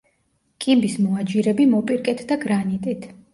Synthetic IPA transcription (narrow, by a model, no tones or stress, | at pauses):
kʼimbismɔad͡ʒiɾɛbimɔpʼiɾkʼɛt̪ʰd̪aɡɾanit̪ʼit̪ʰ